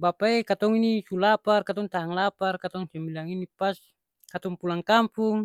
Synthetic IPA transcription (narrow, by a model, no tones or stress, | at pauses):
bapaekat̪ɔŋinisulaparkat̪ɔŋt̪aaŋlaparkat̪ɔŋsimbilaŋinipas | kat̪ɔŋpulaŋkampuŋ